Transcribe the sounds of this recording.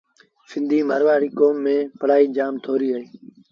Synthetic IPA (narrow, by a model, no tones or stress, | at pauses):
sɪnd̪ʱiːmə̰ɾʋaːɾiːkoːmːẽːpəɽ̤aːiːd͡ʒaːmt̪ʰoːɾiːɦəeː